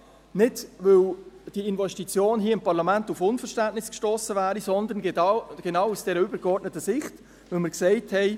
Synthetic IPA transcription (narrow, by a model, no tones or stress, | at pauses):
nɪdvɪld̥iɪnvɛʃtit͡sjoːnɦiːɐɪmpɑʁlɑmæntufʊnfəɾʃtæntnɪskʃtoːsəvæːɾisɔnd̪ənɡ̥enɑwusd̥ɛːɾəʏbəɾɡɔɾdnətːəsɪχt | vɪlmɪɾksɛɪthɛɪ